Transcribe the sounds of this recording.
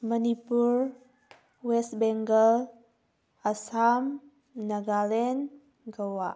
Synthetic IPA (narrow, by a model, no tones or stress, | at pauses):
mənipuɹ | wɛst̚bɛŋɡəl | əsam | nəɡalɛn | ɡəwaʔ